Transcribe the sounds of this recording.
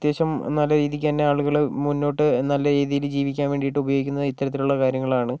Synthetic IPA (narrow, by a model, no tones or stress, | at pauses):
t̪jeːɕɐmnɐlːɐɾiːðikʲːanːeaːɭuɣɐɭmunːo̞ːʈːɨnɐlːɐɾeːðijild͡ʑiːʋikʲːaːnʋe̞ːɳɖijiʈːɨubɐjoːɡikʲːunːɐðit̪ːɐɾɐt̪ːiluɭːɐkaːɾjɐŋːɐɭaːɳɨ